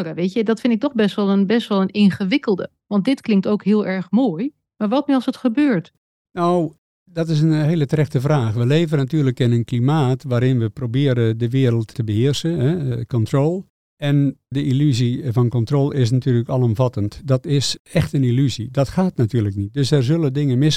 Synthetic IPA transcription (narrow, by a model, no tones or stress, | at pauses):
jaʋetjədɔtfɪndɪk̚tɔχbɛstʋɛlˠənbɛstʋɛlˠənɪnχəʋɪkəlˠdə | ʋɑndɪtklɪŋktowkɦɪːlˠɛɹχmoːj | maːɹʋɑtmyɑlˠsətχəbøːɹt | now | dɔtɪs̬ənɦeːlətərɛxtəvraːxʋəleːvənatyːləkɪnənklimaːtʋaːɾɪnʋəprowbɪːɾədəʋɪəɾəlˠttəbəɦɪərsəɦɛkɔntrolˠ | ɛndəʔilyzivɑnkɔntroːlˠɪs̬natyːləkɑlˠɔmvɑtəntdɑtɪsɛxtənilyzidɑtxaːtnatyːrləknit̚døsɛrzølˠədɪŋənmɪs